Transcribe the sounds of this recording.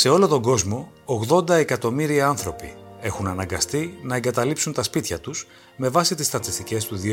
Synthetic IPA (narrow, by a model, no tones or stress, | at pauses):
se̞o̞lo̞t̪o̞ŋɡo̞zmo̞ː | ɣðo̞nd̪ɐe̞kɐt̪o̞miɾiɐɐnθɾo̞pie̞xunɐnɐŋɡɐst̪inɐeŋɡɐt̪ɐlipsunt̪ɐspit̪çɐt̪us | me̞vɐsit̪ist̪ɾɐt̪ist̪ice̞st̪uði